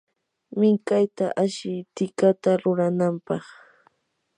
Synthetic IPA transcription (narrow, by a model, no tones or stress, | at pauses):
mɪŋkajt̪aʔaʃɪt̪ɪkat̪aɾʊɾanampɑχ